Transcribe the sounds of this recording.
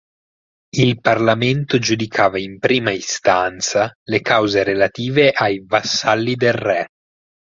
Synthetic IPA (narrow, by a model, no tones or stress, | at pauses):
ilparlament̪od͡ʒud̪ikʰaːvaimpɾiːmaist̪ant̪salekawzeɾelat̪iːveʔajvasːalːid̪elrːɛ